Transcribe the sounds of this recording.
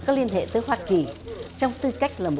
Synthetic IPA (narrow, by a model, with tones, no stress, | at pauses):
kɔː˨˦˥k̚li˧ənɦḛ˧˨t̪əː˨˦jɦwaː˧ki˨˩t͡ɕɔ˧wŋ͡mt̪ɨ˧ka˦˥jk̟̚laː˨˩mo˨